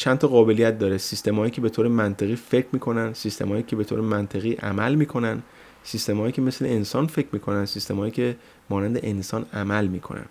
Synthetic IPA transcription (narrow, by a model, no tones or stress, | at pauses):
t͡ʃʰænt̪ʰɒɣɒːbe̞lijæt̪̚d̪ɒːɾesist̪e̞mhɒːjiːcʲʰe̞be̞t̪ʰoːɾemænt̪ʰeɣiːfe̞cʰmiːkʰo̞nænd̪sist̪emɒːjiːcʲʰe̞be̞t̪ʰoːɾemænt̪ʰe̞ɣiːʔæ̰mælmiːkʰo̞nænd̪ | sist̪e̞mhɒːjiːcʰeme̞sle̞̰ensɒːnfe̞cʰɾmiːkʰo̞nænsist̪e̞mhːjiːcʰe̞ | mɒːnænd̪e̞ʔensɒːnæmælmiːkʰo̞̰næ̰n